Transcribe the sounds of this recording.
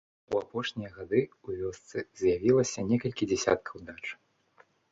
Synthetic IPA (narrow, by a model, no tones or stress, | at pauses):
uapɔʂnʲijɐɣad̪ɨuvʲɔst̪sɨzjavʲilˠɐsʲɐnʲɛkɐlʲkʲid͡zʲɛsʲa̰t̪̚kʰɐwd̪at͡ʂ